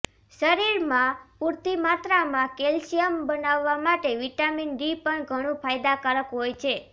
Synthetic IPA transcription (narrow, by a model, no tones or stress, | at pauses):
ʃəɾiɾmãpuɾt̪imat̪ɾamãkelsijəmbənaʋːamaʈeʋiʈaminɖipəɳɡʱəɽ̃ũpʰajd̪akaɾəkɦojt͡ʃʰe